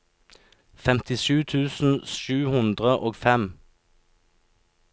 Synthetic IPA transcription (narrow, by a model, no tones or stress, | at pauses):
fɛmt̪ɪʃʉːt̪ʰʉːsn̩ʃʉːhʉnd̪ʁəʔoːɡfɛm